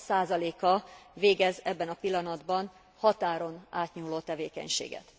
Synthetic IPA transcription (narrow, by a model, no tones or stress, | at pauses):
saːzɒleːkɒveːɡɛzɛbːɛnɒpilːɒnɒd̪bɒn | hɒt̪aːɾo̞naːt̪ɲuːloːt̪ɛveːkɛ̰ɲʃḛːɡɛ̰t̪